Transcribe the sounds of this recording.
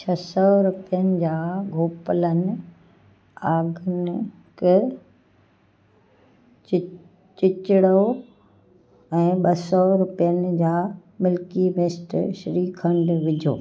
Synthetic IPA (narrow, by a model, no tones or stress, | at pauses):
t͡ɕʰɐsɔɾʊpijənɪ̆d͡ʑaːɡʱoːpələnɪ̆ | aːɡʱənɪ | kɪ | t͡ɕɪt͡ɕɪɽo | ɛ̃ːɓɐsɔɾʊpijənɪ̆d͡ʑaːmɪlkimɪsʈʃɾiːkʰə̃ɳɖʋɪd͡ʑʱo̰ː